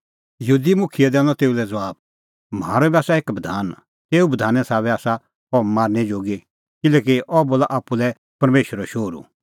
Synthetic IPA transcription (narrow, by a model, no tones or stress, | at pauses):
jɐɦuːd̪imʊkʰiɛd̪ɛ̃ːnɔ̃t̪eːulɛd͡zɐʋaːb | m̤aːɾɔbiaːsaeːkbɐd̪ʱaːn | t̪eːubɐd̪ʱaːnɛsaːβɛaːsa | ɔmaːɾned͡ʒoːɡi | kɪlɛːkiʔɔboːlaʔaːpːulɛ | pɐɾmeːʃəɾɔʃoːɾṵ